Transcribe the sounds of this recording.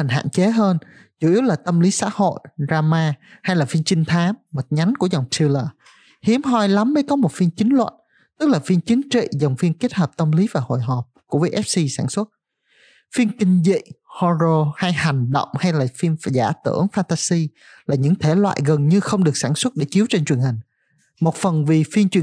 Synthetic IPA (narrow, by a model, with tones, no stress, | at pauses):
a˨˩ŋ̟ɦa̰ː˧˨nt͡ɕe˨˦ɦəː˧n | t͡ɕu˧˩ʔi˨˦əwlaː˨˩t̪ə˧mli˨˦sa̰ː˧˥ho̰˧˨jzaː˧maː˧ha˧jlaː˨˩fi˧nt͡ɕï˧ŋ̟t̪ʰaː˨˦mmə˨˩t̚ɲa˨˦jnku˧˩əza˨˩wŋ͡mt̪ʰi˧ləː˨˩ | hi˨˦əmɦɔ˧jla˨˦mːə˨˦jkɔ˨˦mo˨˩t̚fi˧ənt͡ɕï˨˦ŋ̟lwə̰˧˨n | t̪ɨ˦˥k̚laː˨˩fi˧ənt͡ɕi˨˦nt͡ɕḭ˧˨za˨˩wŋ͡mvi˧ənke˦˥t̚həː˨˩p̚t̪ə˧mli˨˦vaː˨˩ho̰˧˨jɦɔ˨˩p̚ku˧˩˦vəː˨˦jʔɛ˦˥p̚si˧saː˧˩nswə˦˥t̚ | fi˧ənkï˧ŋ̟zḭ˧˨hɔ˧zo˧ha˧jha˨˩jŋ̟ɗə̰˧˨wŋ͡mha˧jlaː˨˩fi˧ənzaː˧˩t̪ɨ̰˧˩əŋfaː˧nt̪aː˧si˧ | laː˨˩ɲɨ̰˧˥ŋt̪ʰe˧˩lwa̰ː˧˨jɣə˨˩nɲɨ˧xə˧wŋ͡mɗɨ˨˩ək̚saː˧˩nswə˦˥t̚ɗe˧˩t͡ɕi˨˦wt͡ɕe˧nt͡ɕwi˨˩ənhï˨˩ŋ̟ | mo˨˩t̚fə˨˩nvi˨˩fi˧ənt͡ɕwi˨˩ə